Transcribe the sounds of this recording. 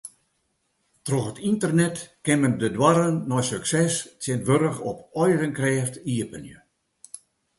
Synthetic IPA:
troxətintərnɛtkɪməndədwaɾənːɔjsøksɛstjɪntʋøɾəxɔpɔjrənkrɛːftiəpənjə̰

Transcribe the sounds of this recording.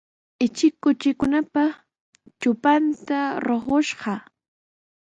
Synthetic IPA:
ɪt͡ʃɪkːʊt͡ʃɪkʊnapa | t͡ʃʊpant̪aɾoχoʃɢɑ

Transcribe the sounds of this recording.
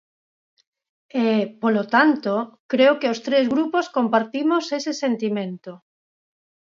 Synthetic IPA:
epolot̪ant̪okɾeokeost̪ɾezɣɾuposkompaɾt̪imosesesent̪imẽnt̪o

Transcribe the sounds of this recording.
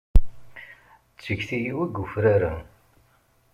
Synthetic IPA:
t͡sːəçθijiwæɡːʊfɾaɾa

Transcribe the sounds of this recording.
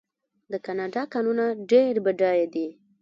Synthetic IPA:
d̪əkanɑɖɑkɑnunaɖeɾbaɖɑjad̪i

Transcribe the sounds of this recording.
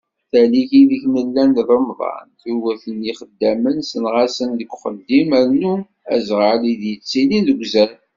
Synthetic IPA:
θælikiðəçməlːænðˤəmðˤɑ̰nt̪uwæθəniχəd̪ːæmənsənʁasənðəɡʷχəd̪ːiməɾnu | æ̰zʁəliðjət͡sːilinðəɡʷzæɾ

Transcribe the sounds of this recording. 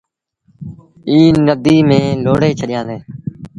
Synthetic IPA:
iːnəd̪iːmẽːloːɽeːt͡ʃʰəɗɪjãːd̪eː

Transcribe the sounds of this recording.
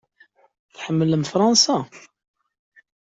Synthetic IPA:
θħəmːələmfɾˤɑnsa

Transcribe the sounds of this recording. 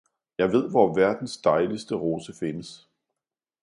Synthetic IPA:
jɑ̈ɪʋe̝ð̰ˠʋɒʋæɐd̥n̩sd̥ɑ̈ɪlisd̥əʁo̝ːsəfe̝nəs

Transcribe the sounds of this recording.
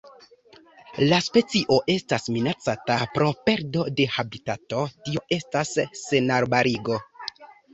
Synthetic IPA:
laspe̞t͡siʔo̞ʔe̞stasminat͡satapɾo̞pe̞ɾdo̞de̞habitato̞tio̞e̞stasːe̞naɾbaɾiɡo̞

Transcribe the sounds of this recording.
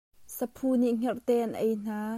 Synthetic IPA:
səpʰuniʔŋ̥ɛrt̪ɛːʔɐnʔejn̥aː

